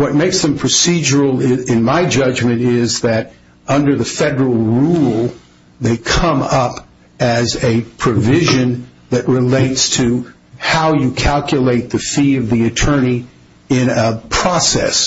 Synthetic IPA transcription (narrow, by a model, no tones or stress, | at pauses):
wʌt̚meɪksðɨ̃mpʰɹ̥ɨsid͡ʒə˞l̩ˠɪɪ̃nmaɪd͡ʒʌd͡ʒmɨ̃ñɪzðɨɾ | ʌ̃ndə˞ðɨfɛɾə˞l̩ˠɹulˠ | ðeɪkʰʌ̃mʌp | ɨzɨpʰɹ̥ɨvɪʒɨ̃n | ðɨt̚ɹɪleɪtstʰɨ | haʊjɨkʰælˠkʰjɨleɪt̪̚ðɨfiʌvðiɨtʰɜ̃˞ni | ɪ̃nəpʰɹ̥ɔsɛ̰s